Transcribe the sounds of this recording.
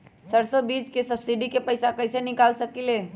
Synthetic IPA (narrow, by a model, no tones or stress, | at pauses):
səɾsobid͡ʒkesəbsiɖikepəjsakəɪsenikalsəkile